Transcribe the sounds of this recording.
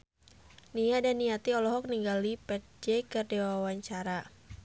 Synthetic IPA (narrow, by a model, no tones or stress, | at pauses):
nijadanːijat̪iɔlɔɦɔk̚niŋɡalipɛt̪̚d͡ʒekɨrdewawaɲt͡ʃaɾa